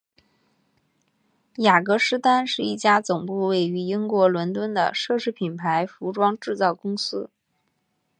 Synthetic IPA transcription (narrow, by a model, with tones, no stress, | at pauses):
ja˨˩kɤ˧˥ʂɻ̩˥t̪a˥nʂɻ̩˥˧i˥˩t͡ɕja˥t͡sʊ˨˩ŋpu˥˧we˥˩ɪy˧˥i˥ŋkwɔ˧˥lwə˧˥nt̪wə˥nd̪ə̰˨ʂɤ˥˧ʂɻ̩˥˩pʰi˨˩npʰa˧˥ɪfu˧˥ʈ͡ʂwɑ˥ŋʈ͡ʂɻ̩˥˧t͡sɑ˥˩ʊkʊ˥ŋsɹ̩˥